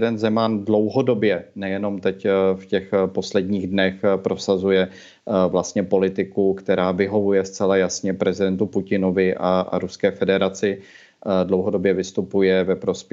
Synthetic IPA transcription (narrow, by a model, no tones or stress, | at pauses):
dɛnzɛmandlowɦo̞do̞bjɛnɛjɛno̞mt̪ɛcfcɛxpo̞slɛdɲiːɣdnɛxpɾo̞sazujɛ | vlast̪ɲɛpo̞lɪt̪ɪkukt̪ɛɾaːvɪɦo̞vujɛst͡sɛlajasɲɛpɾɛzɪdɛnt̪upucɪno̞vɪʔaa̰ɾuskɛːfɛdɛɾat͡sɪ | dlo̞wɦo̞dobjɛvɪst̪upujɛvɛpɾo̞sp